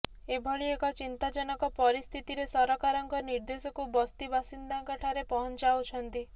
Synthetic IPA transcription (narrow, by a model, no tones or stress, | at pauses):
ebʱɔɭiekɔt͡ʃint̪ad͡ʒɔnɔkɔpɔɾist̪ʰit̪iɾesɔɾɔkaɾɔŋkɔniɾd̪esɔkubɔst̪ibʱasind̪aŋkɔʈʰaɾepɔɦɔnt͡ʃawt͡ʃʰɔnt̪i